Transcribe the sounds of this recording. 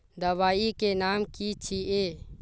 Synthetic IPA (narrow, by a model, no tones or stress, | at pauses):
d̪əʋaːikenamkit͡ʃʰie